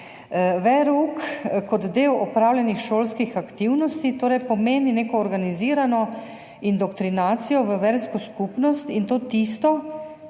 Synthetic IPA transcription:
ʋɛɾukkɔd̪d̪eːwɔpɾaːwlʲjɛnixʃoːlskixakt̪iwnɔst̪it̪oːɾɛjpɔmeːnineːkɔːɾɡaniziːɾanɔ | ind̪ɔkt̪ɾinaːt̪sijɔʋəʋɛɾskɔskupnɔst̪int̪oːt̪ist̪ɔ

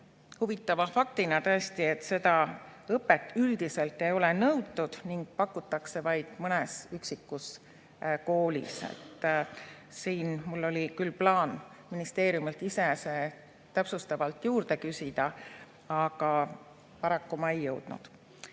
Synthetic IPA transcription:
huvit̪ːˑɑvɑfɑk̚t̪inɑt̪ø̞est̪ie̞t̪ːse̞d̪̥ɑɤpːˑe̞t̪ːˑyld̪̥ise̞lt̪ːˑe̞jo̞lenɤwd̪ːud̪̥niŋɡ̥̚pɑkːut̪ːˑɑkse̞vɑjd̪̥mɤnesyksikːus | ko̞ːlʲḭsḛt̪ːˑ | siːnmulːo̞lʲikylːplɑːn | minist̪e̞ːɾijumelt̪ːˑise̞se̞ | t̪æpsust̪ɑvɑlt̪ːˑjuːɾd̪̥e̞kysʲid̪̥ɑ | ɑɡ̥ɑ | pɑɾɑkːumɑe̞jːɤwd̪̥nṵd̪̥

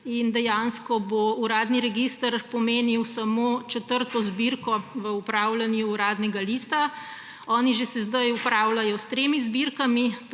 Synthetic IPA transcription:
ind̪ɛjanskɔbouɾaːd̪niɾɛɡist̪əɾpɔmeːniwsamot͡ʃɛt̪əɾt̪ɔzbiɾkɔʋəupɾaːwlanjuːɾaːd̪nɛɡalist̪a | ɔːniʒesɛzd̪ajupɾaːwlajɔst̪ɾemizbiɾkami

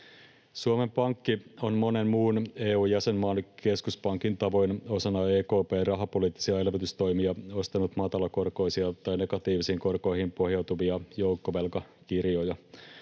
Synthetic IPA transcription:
suome̞mpɑŋkːio̞nmo̞ne̞mmuːne̞ːuːjæse̞mmɑːnke̞skuspɑŋkint̪ɑʋo̞jno̞sɑnːɑeːko̞ːpe̞ːrɑɦɑpo̞liːt̪ːisiɑe̞lʋet̪yst̪o̞jmiɑo̞st̪ɑnut̪mɑt̪ɑlɑko̞rko̞jsiɑt̪ɑjne̞ɡɑt̪iːʋisiːŋko̞rko̞jhimpo̞hjɑwt̪uʋiɑjo̞wkːoʋe̞lkɑ | kirjo̞jɑ

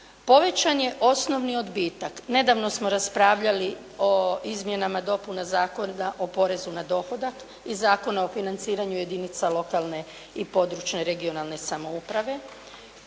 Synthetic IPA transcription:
po̞ʋe̞t͡ʃanje̞ʔo̞sno̞ʋnio̞d̪biːt̪akne̞d̪aʋno̞smo̞ɾaspɾaːʋʎali | oizmje̞namad̪o̞punazaːko̞naʔo̞po̞ɾe̞zunad̪o̞xo̞d̪ak | izaːko̞nao̞finant̪siːɾaɲuje̞d̪init̪salo̞kalˠne̞ | ipo̞d̪ɾut͡ʃne̞ɾe̞ɡio̞nalˠne̞samo̞upɾaʋe̞

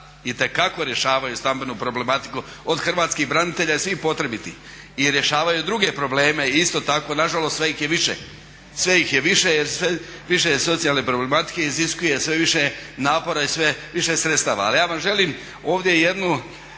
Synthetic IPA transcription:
it̪e̞kako̞ɾje̞ʃaːʋajust̪ambe̞nupɾo̞ble̞mat̪i̥ku | od̪xr̩ʋaːt̪skixbɾanit̪e̞ʎajesʋipo̞t̪ɾe̞bit̪ḭ | iɾje̞ʃaːʋajud̪ɾuɡe̞pɾo̞ble̞ːme̞iist̪o̞t̪ako̞naʒalost̪sʋeixjeʋiʃḛ | sʋe̞jixjeʋiʃejeɾsʋe | ʋiʃ̬eso̞t̪sijalˠne̞pɾo̞ble̞mat̪i̥ke̞iziskuje̞sʋe̞ʋiʃenaːpo̞ɾaisʋeʋiʃesɾet̪st̪a̰ːʋa̰ːlijaːʋamʒe̞liːm | oːʋd̪je̞je̞d̪nu

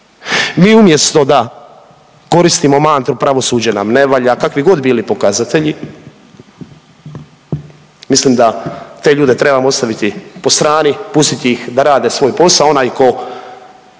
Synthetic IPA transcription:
miːumje̞st̪o̞d̪a | ko̞ɾist̪imo̞maːnt̪ɾupɾaʋo̞suːd͡ʑanamne̞ʋaːʎakakʋiɡo̞d̪biːlipo̞kazat̪e̞ʎi | misliːmd̪at̪e̞ʎuːd̪e̞t̪ɾe̞bamoost̪aʋit̪ipo̞st̪ɾaːnipust̪it̪iixd̪aɾaːd̪e̞sʋo̞ːjpo̞sao̞najko̞

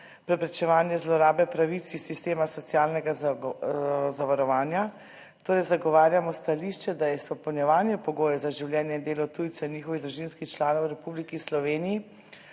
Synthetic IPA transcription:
pɾɛpɾɛt͡ʃɛʋaːnjɛzlɔɾaːbɛpɾaʋit̪sisist̪eːmasɔt̪sijaːlnɛɡa | zaʋaɾɔʋaːnja | t̪oːɾɛjzaɡɔʋaːɾjamɔst̪aliʃt͡ʃɛd̪ajɛspɔpɛwnjɛʋaːnjɛpɔɡoːjɛzaʒiwlʲjɛːnjɛind̪eːlɔt̪uːjt̪sɛiniːxɔʋiɣd̪ɾuʒinskixt͡ʃlaːnɔwɾɛpublikislɔʋeːnii

